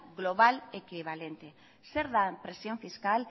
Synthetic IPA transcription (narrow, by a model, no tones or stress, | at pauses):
ɣloβ̞alekiβ̞alent̪e | seɾðapɾesjõɱfiskal